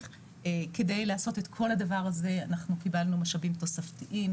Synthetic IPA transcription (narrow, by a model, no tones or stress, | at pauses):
eke̞dejlaːso̞te̞tkʰo̞lhadavaʁaze̞anaχnukibalnumaʃabimto̞saftiʔim